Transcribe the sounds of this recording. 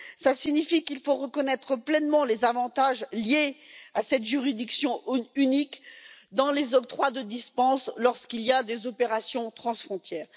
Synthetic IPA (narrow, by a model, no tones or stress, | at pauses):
sasiɲifikilfoʁəkɔnɛt̪χəplɛnmɑ̃lezavɑ̃t̪aʒljeasɛt̪ʒyʁid̪iksjɔ̃ynikd̪ɑ̃lezɔk̚t̪χwad̪əd̪ispɑ̃slɔʁskiljad̪ezɔpeʁasjɔ̃t̪χɑ̃sfχɔ̃t̪jɛːʁ